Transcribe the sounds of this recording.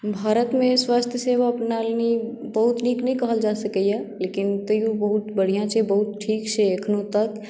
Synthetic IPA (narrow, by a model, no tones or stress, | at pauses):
bʱaːɾət̪mẽswaːst̪ʰjəseʋaɐpnaːlni | bəɦut̪niːknɐɦĩkəɦəld͡ʒaːsəkəjɛleːkɪnt̪əiobəɦut̪bəɽ̤ijãt͡ʃʰebəɦʊt̪̚ʈʰiːkt͡ʃʰeekʰnũt̪ək